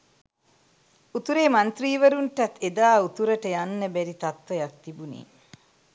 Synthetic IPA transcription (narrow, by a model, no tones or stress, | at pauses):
ut̪uɾeːmɐnt̪riːʋɐɾuɳʈɐt̪ʰːed̪aːut̪uɾɐʈəjanːəbɛɾit̪ɐt̪ʋɐjɐk̚t̪ibunḭː